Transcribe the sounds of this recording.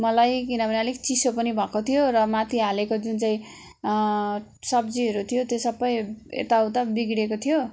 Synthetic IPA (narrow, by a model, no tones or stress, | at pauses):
mʌlajkinʌbʱʌniʌlikt͡sisopʌnibʱʌkot̪ʰijorʌmat̪ʰiɦalekod͡zunt͡saĩ | sʌbd͡ziʌɾut̪ʰijot̪josʌbːʌjḛt̪awt̪ʌbiɡɽekot̪ʰijo